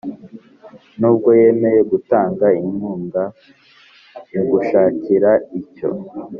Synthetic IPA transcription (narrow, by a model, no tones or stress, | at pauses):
nuːb̚ɡo̞je̞ːme̞je̞ɡutaːŋɡaimuːŋɡa | iɡuʃaːciɾaico̞̰